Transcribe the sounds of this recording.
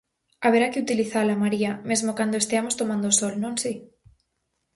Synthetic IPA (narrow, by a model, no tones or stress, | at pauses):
aβeɾakeut̪iliθalamaɾiamezmokand̪oest̪eamost̪omãnd̪osolnõnsi